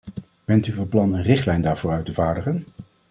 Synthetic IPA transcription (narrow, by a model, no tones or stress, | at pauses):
b̥ɛntyvɔnplɑnənrɪχtlɛjndaːɹvʊːɾœɥtəvaːɹdəχən